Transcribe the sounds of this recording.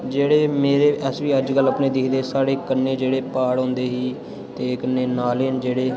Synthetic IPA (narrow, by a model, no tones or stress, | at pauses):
d͡ʒeːɽeːmeːɾeːʔɛsʋiːəd͡ʒɡələpneːd̪ɪkʰd̪eːsaːɽeːkənːeːd͡ʒeːɽeːpaːɽɦõːnd̪eːɦiː | t̪eːkənːeːnaːleənd͡ʒeːɽeː